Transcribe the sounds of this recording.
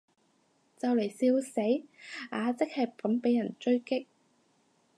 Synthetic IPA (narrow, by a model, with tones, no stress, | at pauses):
t͡sɐ˨wle˨˩jsiː˧wse˨˥jaː˨˧t͡sɪ˥k̚hɐ˨jpɐ˨˥mpe˨˥jːɐ˨˩nt͡ʃɵ˥ɥkɪ˥k̚